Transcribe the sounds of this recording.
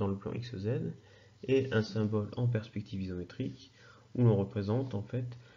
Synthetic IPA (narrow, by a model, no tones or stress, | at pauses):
ɑ̃ləplɑ̰̃ʔḭksɔzɛn | ɛɛ̃sɛ̃bɔlɑ̃p̬ɛʁspɛk̚t̪ivizɔmet̪χik | ulɔ̃ʁəpχezɑ̃t̪ɑ̃fɛt̪